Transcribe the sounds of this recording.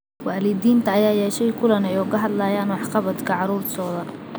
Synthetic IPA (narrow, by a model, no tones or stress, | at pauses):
waːlɪd̪iːnt̪ʰɐːjaːjɛːʃɛjkʰʊlɐnɛjʊɣɐɦɐd̪lɐjaːnwɑħqɑβɐd̪kʰɐʕɑɾuːrt̪ʰɔːðɐ